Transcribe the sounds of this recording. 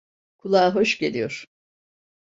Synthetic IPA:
kʰulˠaːɦo̞ʃɟelʲijo̞ɾ̥

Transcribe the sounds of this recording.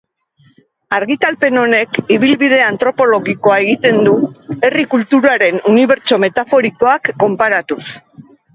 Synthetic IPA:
aɾɣit̪alpe̞no̞ne̞kiβ̞ilβið̞e̞ant̪ɾo̞po̞lo̞ɣiko̞ae̞ɣ̞it̪e̞nd̪ue̞rikult̪uɾaɾe̞nuniβ̞e̞ɾt͡ʃo̞me̞t̪afo̞ɾiko̞akːo̞mpaɾat̪us

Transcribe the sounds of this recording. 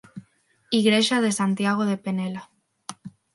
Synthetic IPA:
iɣɾeʃaðesant̪jaɣ̞oðepenela

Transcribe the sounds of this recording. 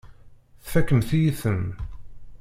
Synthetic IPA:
θfækːəmθijiθəm

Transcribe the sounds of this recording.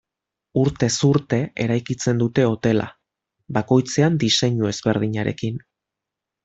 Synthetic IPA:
uɾt̪e̞suɾt̪e̞ʔḛɾajkit͡se̞nd̪ut̪e̞o̞t̪e̞la̰ | bako̞jt͡se̞and̪ise̞ɲue̞zβe̞ɾð̞iɲaɾe̞̰kin

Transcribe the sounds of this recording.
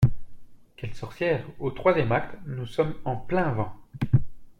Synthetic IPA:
kʲɛlsɔʁsjɛʁot̪χwazjɛmak̚t̪nusɔmɑ̃plɛ̃vɑ̃

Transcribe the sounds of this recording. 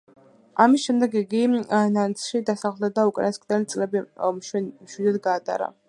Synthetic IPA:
amisʃɛmd̪ɛɡiɡinant̪sʰʃid̪asaχlˠd̪ad̪aukʼnaskʼd̪ɛlit̪sʼlɛbi | mʃwid̪ɛd̪ɡaːt̪ʼa̰ɾa̰

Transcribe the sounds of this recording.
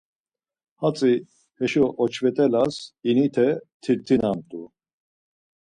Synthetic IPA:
hat͡sʼi | hɛʃɔʔɔt͡ʃʰvɛt̪ʼɛlasinit̪ʰɛt̪ʰiɾt̪ʰinamt̪ʼu

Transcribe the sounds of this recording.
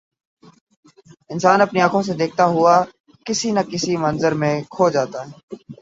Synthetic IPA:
ɪnsaːnəpniːaːkʰõːs̬ed̪eːk̚ʰt̪aɦʊaː | kɪsiːnəkɪsiːmənzəɾmẽːkʰoːd͡ʒaːt̪aːɦɛː

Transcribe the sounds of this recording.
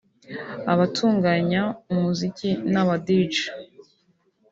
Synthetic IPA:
aβatʰuːŋɡaɲaumuzikinaβadid͡ʒ

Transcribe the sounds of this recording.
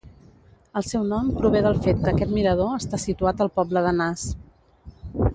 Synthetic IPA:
əlˠsɛwnɔmpɾuβ̞eðəlˠfet̪̚kəːkɛt̪miɾəð̞oəst̪asit̪uat̪əlˠpɔbləðənas

